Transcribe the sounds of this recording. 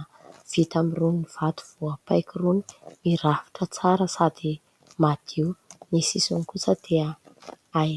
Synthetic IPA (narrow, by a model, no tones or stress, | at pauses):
v̥it̪amirunniv̥at̪u̥v̥uəpajkiruni̥miɾafi̥ʈ͡ʂət͡saɾəsad̪i | mad̪̥iunisisunkut͡səd̪̥eaa